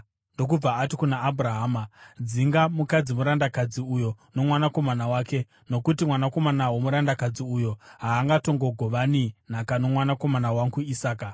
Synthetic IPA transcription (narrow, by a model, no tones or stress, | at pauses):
ndo̞k̬ub͡vaːtikunaʔːbʱuraɦaːmad͡ziŋɡamukad͡zimuɾandakad͡ziujo̞ | no̞mwanako̞manawaːke̞ | no̞kutimwanako̞manawo̞muɾandakad͡ziujo̞ɦaːŋɡato̞ŋɡo̞ɡʱo̞ʋanin̤akano̞mwanako̞manawaŋɡuisaːka